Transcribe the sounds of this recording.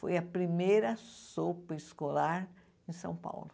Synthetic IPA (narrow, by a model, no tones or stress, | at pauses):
fo̰jɐpɾimejɾɐsopɐiskolaɾ | ẽj̃sɐ̰̃w̃pa̰wlʊ